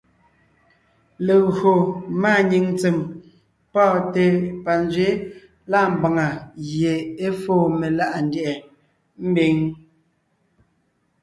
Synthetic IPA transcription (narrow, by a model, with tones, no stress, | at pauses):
le˨ɣo˨maː˦˨ɲi˨ŋt͡se˨m | pɔː˦˨te˦pa˨n˦d͡zɥe˨˦ | la˦˨m̩˨ba˨ŋa˨ɣje˨e˦foː˦˨me˨la˦ʔa˨n˨djɛ˨ | m̩˦be˨˦ŋ